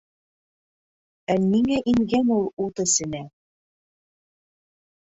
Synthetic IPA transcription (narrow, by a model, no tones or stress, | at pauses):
ænːiŋæʔiŋɡænulˠut̪ɤ̆sɘ̆næ